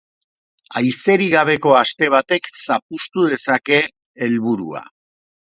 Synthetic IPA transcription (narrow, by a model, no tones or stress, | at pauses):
ajse̞ɾiɣaβ̞e̞ko̞ast̪e̞β̞at̪e̞ksapust̪uðe̞sake̞ː | lβuɾṵa̰